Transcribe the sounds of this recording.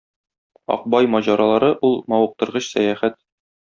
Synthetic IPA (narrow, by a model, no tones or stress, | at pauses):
ɒ̰q̚bɑjmɒʑɑɾɑlˠɑɾɤʔulˠmɒwɤ̆q̚t̪ɤ̆ɾʁɤɕsæjæχæt̪̚